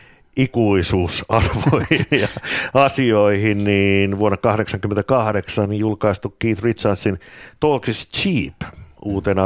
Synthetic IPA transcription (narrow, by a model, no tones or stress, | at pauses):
ikuisuːsɑrʋoiinjɑɑsioihinniːnʋuonːekɑhɾeksɑŋkyment̪ækɑhɾeksɑnijulkɑist̪ukːiːt̪rit͡ʃɑnsint̪oltist͡ʃiːpʔuːt̪enɑ